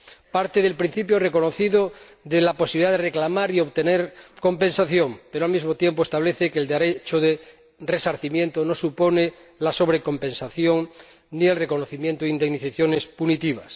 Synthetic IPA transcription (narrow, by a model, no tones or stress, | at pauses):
paɾt̪eð̞e̞lpɾin̟θipjore̞ko̞noθiðo | ðelaposiβiliðaðereklamaɾio̞βt̪e̞neɾko̞mpẽ̞nsaθjo̞mpe̞ɾoalmizmot̪je̞mpoest̪aβleθekeld̪eɾet͡ʃoðe | re̞saɾθimjẽ̞nt̪onosupo̞ne | laso̞β̞ɾeko̞mpe̞nsaθjo̞ŋ | nie̞lreko̞noθimjent̪oind̪eniθaθjone̞spunit̪iβ̞as